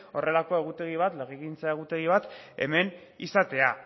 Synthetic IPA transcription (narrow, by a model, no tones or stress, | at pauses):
o̞re̞lako̞e̞ɣ̞ut̪e̞ɣ̞iβ̞at̪leɣiɣint͡sae̞ɣ̞ut̪e̞ɣ̞iβ̞at̪e̞̰me̞n | isat̪e̞a